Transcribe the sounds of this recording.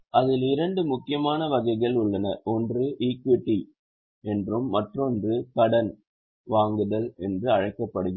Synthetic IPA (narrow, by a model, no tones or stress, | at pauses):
ʔɐðɪlɪɾɐɳɖɯmʊkːɪjɐmaːnɐʋɐɣɐɪɣɐɭʊɭːɐnɐʔɔndrɯʔikʋɪʈːi | ɛndrɯmːɐʈrɔndrɯkɐɽɐn | ʋaːŋɡɯðɐlɛndrɯɐɻɐɪkːɐpːɐɽɯɣ